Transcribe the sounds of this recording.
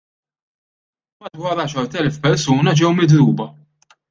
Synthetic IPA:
bɐt̪wɐːɾɐːʃɐɾt̪ɛlfpɛɾsuːnɐd͡ʒɛwmɪd̪ɾuːbɐ

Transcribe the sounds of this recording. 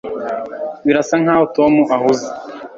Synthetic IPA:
βiɾasaŋ̥aːhoto̞muʔahuze̥

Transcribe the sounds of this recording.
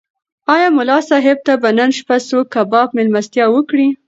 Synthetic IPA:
ɑjɑmʊlɑsɑɦɪb̚t̪abanənʃpasokːabɑpmɪlmast̪jɑwəkɽi

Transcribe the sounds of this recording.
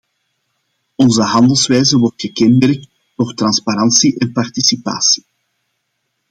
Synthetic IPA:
ɔnzəɦɑnd̪əlˠsʋɛjzəʋɔrtxəkɛndɛlək̚t | d̥oːrt̪rɑnspaɾɑnsiʔɛnpɑrtisipa̰ːsi̥

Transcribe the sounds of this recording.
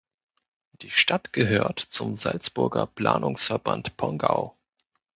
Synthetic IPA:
d̥iːʃtatɡ̥əɦøːɐtt͡sʊmzalt͡sb̥ʊɐɡɐpl̥a̰ːnʔʊŋsfɛɐba̰ntpʰɔŋɡaʊ

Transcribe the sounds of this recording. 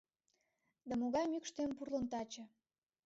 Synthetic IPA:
d̪amoɣɑjmykʃt̪empurlont̪ɑt͡ɕɤ̆

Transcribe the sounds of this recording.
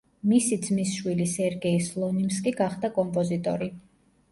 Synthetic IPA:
misid̪zmisʃwilisɛɾɡɛislˠɔnimskʼiɡaχd̪akʼɔmpʼɔzit̪ʼɔ̰ɾi

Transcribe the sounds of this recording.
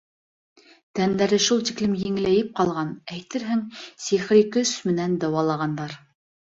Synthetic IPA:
t̪ænd̪æɾɘʃulˠt̪iklɘmjɘ̆ŋ̆læjɘp̚qɑlˠʁɑnæjt̪ɘɾɦɘŋsiχɾikɵsmɘ̆nænd̪ɑwɑlˠɑʁɑnd̪ɑɾ

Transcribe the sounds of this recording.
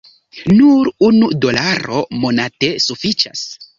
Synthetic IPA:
nuɾunudo̞laɾo̞mo̞nate̞sufit͡ʃa̰s

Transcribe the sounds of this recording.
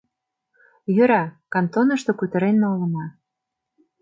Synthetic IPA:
jøɾækɑnt̪onɤ̆ʃt̪okut̪ə̆ɾenːolə̆nɑ

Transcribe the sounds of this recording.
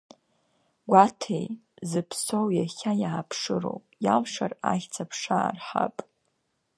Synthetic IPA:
ɡʷatʰej | zɨpʰsowjaχʲajaːpʰʂɨɾo̞̰wpʼjalʂaraχʲt͡sʰapʰʂaːrħa̰pʼ

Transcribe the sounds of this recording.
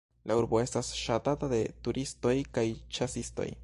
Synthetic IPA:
lauɾbo̞e̞stasʃatatade̞tuɾisto̞jkajt͡ʃasisto̞̰j

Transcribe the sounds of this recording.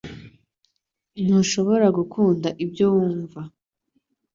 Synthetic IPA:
n̥uʃo̞βo̞ɾaɡukʰuːndaʔibɟowuːɱva

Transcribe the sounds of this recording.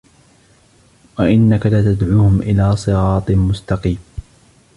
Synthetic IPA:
waʔɪnːakalaːt̪ad̪ʕuːhʊmʔɪlaːsˤɨɾɑːt̪ˤmʊst̪ɑqiːm

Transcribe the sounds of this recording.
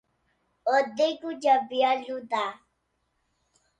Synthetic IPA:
ɔd̪ekud͡ʒabialud̪a

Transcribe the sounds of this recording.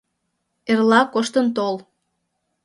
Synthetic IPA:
erlɑkoʃt̪ənt̪ol

